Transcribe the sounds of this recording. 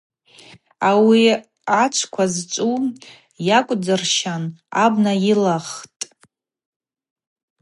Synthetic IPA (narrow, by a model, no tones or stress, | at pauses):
awi | at͡ʃʷʰkʷʰazt͡ʃʷʼu | jakʷʼd͡zɨrʃanabnailaχtʼ